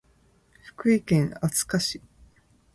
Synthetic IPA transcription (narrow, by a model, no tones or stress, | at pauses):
ɸɯ̟̥kɯ̟ikẽ̞ŋat͡sɨ̥kaɕi